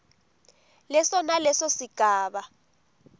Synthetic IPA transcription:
lɛsɔnalɛsɔsiɡ̥ʱaːɓa

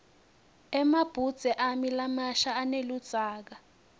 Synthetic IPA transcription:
ɛmab̥ʱud̥z̥ʱɛʔamilamaʃaːnelud̥z̥ʱʼaːk̬a

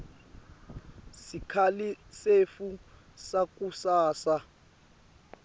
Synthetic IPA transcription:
sikʰalisefu | sak̬ʼusaːsa

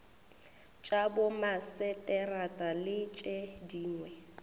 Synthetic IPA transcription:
t͡ʃʼabʊmasɛtʼɛratʼalɪt͡ʃʼɛdiːŋwɛ

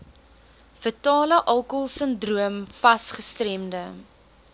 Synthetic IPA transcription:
fətɑːləʔɐlˠkolˠsəndruəmfɐsχəstrɛmdə

